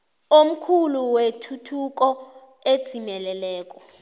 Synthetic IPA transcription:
om̩kʰuluwetʰutʰuk̬ʼɔ | ed̥z̥ʱimɛlɛlɛːk̬ʼɔ

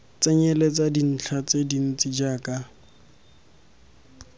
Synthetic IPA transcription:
t͡sʼɛɲɛlet͡sadin̩t͡ɬʰat͡sʼedin̩t͡sʼid͡ʒaːkʼa

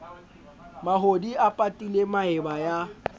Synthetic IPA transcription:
maɦodiapʼatʼilemaɪbaja

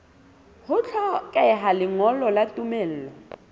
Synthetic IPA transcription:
hʊt͡ɬʰɔkʼɛɦalɪŋɔlɔlatʼumɛːl̩ːlɔ

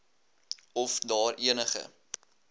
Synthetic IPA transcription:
ɔfdɑːriənəχə̰

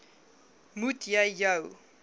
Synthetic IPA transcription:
mutʰjajaw

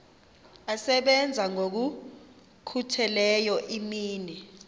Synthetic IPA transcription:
asɛɓɛnd͡zʱaŋok̬u | kʰutʰɛlɛjɔʔimiːni

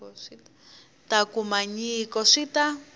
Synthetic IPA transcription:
takumaɲikɔʂita

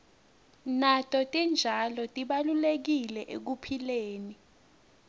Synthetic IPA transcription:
natʼɔtʼind͡ʒʱalɔtʼiɓalulek̬ilɛʔek̬upʰileːni

